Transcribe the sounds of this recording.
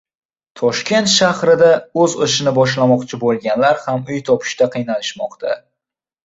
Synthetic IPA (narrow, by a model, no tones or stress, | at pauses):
t̪ʰɒʃkʲʰe̞nt̪ʃahɾɪd̪aɵzɨʃɪnɪbɒʃlamɒqt͡ʃʰɪbolˠɡʲanlaɾhamʊjt̪ʰɒpʰɪ̥ʃt̪aqʰɨjnalɪʃmɒqt̪ʰa̰